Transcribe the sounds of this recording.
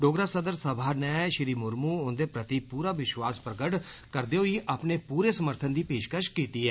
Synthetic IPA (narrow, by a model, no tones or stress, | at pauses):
ɖoːɡɾaːsəd̪əɾsəbʱaːnɛːʃɪɾiːmʊɾmuːʊnd̪eːpɾət̪ipuːɾaːʋɪʃʋaːspɾəkəʈkəɾd̪eːoiːʔaːpneːpuːɾeːsəməɾt̪ʰənd̪iːpeːʃkəʃkiːt̪iːɦɛː